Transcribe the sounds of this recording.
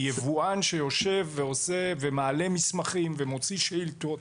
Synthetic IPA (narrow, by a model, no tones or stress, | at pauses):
jevuanʃe̞jo̞ʃe̞vːeose̞vemaːle̞mismaχimvemo̞t͡siʃilt̪o